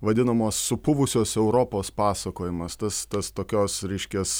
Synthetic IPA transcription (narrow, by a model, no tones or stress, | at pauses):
ʋɐd̪ʲɪnɐmoːsːʊpʊʋʊsʲoːsɛʊɾoːpoːspɑːsɐkoːjɪmɐst̪ɐst̪ɐst̪oːkʲoːsɾʲɛɪʃʲkʲɛs